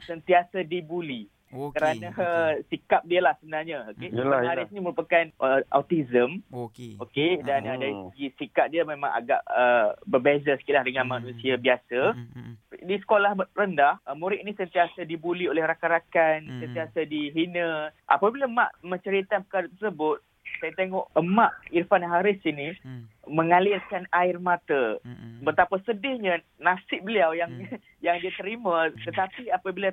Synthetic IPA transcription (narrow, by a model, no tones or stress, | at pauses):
sənt̪iasadibuli | kəɾanasikap̚diəlahsəbənarɲaokeəaɾɪsnĩməɾupakanʔəʔa̰wt̪izəmkokedanədaɾisəɡisikap̚diəmẽmãŋa̰ɡaʔəbərbezasə̥kit̪̚lahdəŋãnmanũsiabiasa | disə̥kolahrəndahəmuɾɪʔ̚nisənt̪iasadibuliolɛhɾakaɾakansənt̪iasadiɦinəʔa̰pabilama̰ʔmə̃ɲt͡ʃəɾit̪anpəkaɾat̪ərsəbʊt̪̚ | sajat̪eŋɔʔəmaʔirfanɦaɾɪsinimə̃ŋalɪrkanaɪrmãt̪abət̪apasədɪhɲə | nafsɪʔ̚bəliawjaŋ | jaŋdiat̪əɾimãt̪ət̪apiapabila